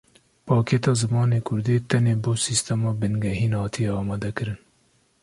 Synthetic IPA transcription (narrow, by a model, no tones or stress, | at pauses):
pʰɑːkʰeːt̪ɑːzɨmɑːneːkʰʊɾd̪eːt̪ʰɛneːboːsiːst̪ɛmɑːbɨnɡɛɦiːnhɑːt̪ʰijɛɑːmɑːd̪ɛkɨɾɨn